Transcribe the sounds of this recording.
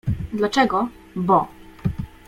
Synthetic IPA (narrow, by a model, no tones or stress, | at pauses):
d̪lat͡ʂɛɡɔ | bɔ